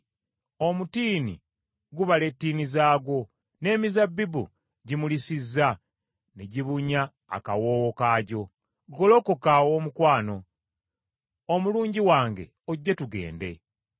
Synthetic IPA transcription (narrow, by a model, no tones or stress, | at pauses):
o̞mutiːnḭ | ɡuβale̞tːiːnizaːɡwo̞ | ne̞ːmizabːibṵ | ɟimulisizːa | niɟiβuɲa̰ː | kawoːwokaːɟo̞ | ɡolo̞kokawoːmukwaːno̞ | omuluːɲɟiwaːŋɡe̞̰ | oɟːatuɡe̞̰ːnde̞